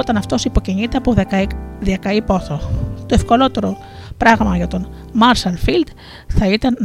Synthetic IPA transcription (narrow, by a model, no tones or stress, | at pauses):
ot̪ɐnɐft̪o̞sipo̞ceɲit̪e̞ɐpoðekɐðiɐkɐipo̞θot̪o̞e̞fko̞lo̞t̪e̞ɾo̞ | pɾɐɣmɐʝɐt̪o̞n | mɐɾʃɐlfild̪̥ | θɐit̪ɐn